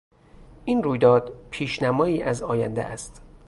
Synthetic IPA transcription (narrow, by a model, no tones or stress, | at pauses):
ʔiːnruːjd̪ɒːd̪̥pʰiːʃnæmɒːiːʔæzɒːjæ̰nd̪ḛʔæ̰st̪